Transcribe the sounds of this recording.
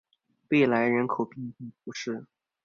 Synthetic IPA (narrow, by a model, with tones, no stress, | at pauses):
we˥˩ɪla˧˥ɪɻə˧˥nkʰo˨˩ʊpi˥˧ti˥˩pu˧˥ʂɻ̩˥˩